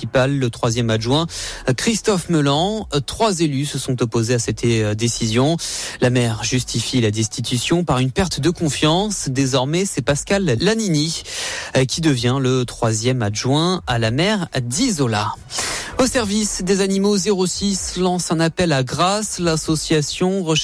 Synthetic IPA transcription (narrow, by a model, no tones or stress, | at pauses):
ipalːət̪χwazjɛmaʒwɛ̃kχist̪ɔfməlɑ̃t̪χwazelysəsɔ̃t̪ɔpozeasɛt̪d̪esizjɔ̃lamɛʁʒyst̪ifilad̪ɛst̪it̪ysjɔ̃paʁynpɛʁt̪d̪əkɔ̃fjɑ̃sd̪ezɔʁmɛsɛpaskalːanini | kʲid̪əvjɛ̃lət̪χwazjɛmaʒwɛ̃alamɛʁd̪izola | osɛʁvisd̪ezanimozeʁosislɑ̃sɛ̃napɛlaɡʁaslasɔsjasjɔ̃ʁə